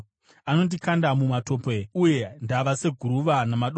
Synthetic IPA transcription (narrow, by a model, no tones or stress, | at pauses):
ano̞t̬ikandamumato̞ːpeuje̞ndaʋase̞ɡʱuɾuʋanamaɗo